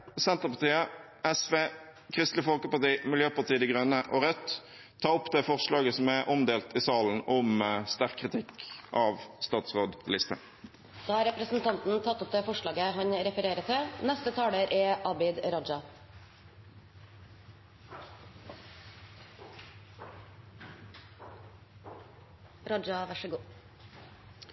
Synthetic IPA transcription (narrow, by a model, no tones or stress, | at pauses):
sɛnt̪əʁpɑʁt̪iːə | ɛsʋeːkʰʁɪst̪lɪfɔlkəpɑʁt̪iːmɪljøːpɑʁt̪iːəd̪iɡʁœnəʔoːʁœt̪ʰː | ɑːʊpd̪ɛːfɔʁʂlɑːɡəsɔmæʔɔmd̪eːlt̪ɪːsɑːln̩ɔmst̪æʁkʰːʁɪt̪ʰɪkʔɑʋst̪ɑːt̪sʁoːd̪lɪst̪ə | d̪̥ɑːhɑɾɛpɾəsn̩t̪ʰɑnt̪n̩t̪ʰɑt̪ːɔp̚d̪eːfɔʂɭɑːɡəɦɑɲɾɛfəɾeːɾət̪ʰɪnɛst̪ət̪ʰɑːɽəɾʔɛʔɑbɪd̪ɾɔd͡ʒɑ | ɾɔd͡ʒɑʋæʂəɡuː